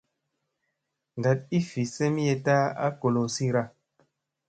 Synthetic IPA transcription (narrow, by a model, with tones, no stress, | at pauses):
n˨da˨t̚i˦fi˨se˦mi˦je˧ta˦a̰˦ko˨lo˨si˦ɾa˦